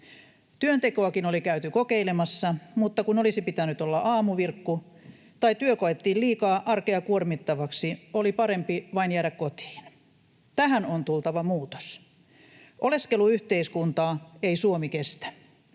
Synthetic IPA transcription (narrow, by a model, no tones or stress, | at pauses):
t̪yønt̪ekoɑkinolikæyt̪ykokeilemɑsːɑmut̪ːɑkunolisipit̪ænyt̪olːɑʔɑːmuʋirkːu | t̪ɑit̪yøkoet̪ːiːlliːkɑːʔɑrkeɑkuormit̪ːɑʋɑksiolipɑɾempiʋɑinjæːɾækkot̪i̥ːn | t̪æɦænont̪ult̪ɑʋɑmuːt̪o̥s | ʔoleskeluyht̪eiskunt̪ɑːeisuomikest̪æ̥